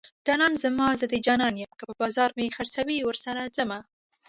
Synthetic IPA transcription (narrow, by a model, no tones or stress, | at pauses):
d͡ʒɑnɑnzəmɑzad̪ed͡ʒɑnɑnjəmkəpəbɑzɑɾmexaɾsawiwəɾsaɾazəma